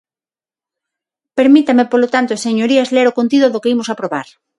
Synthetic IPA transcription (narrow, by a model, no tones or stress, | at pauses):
peɾmit̪amepolot̪ant̪oseɲoɾiazleɾokont̪iðoðokeimosapɾoβa̰ɾ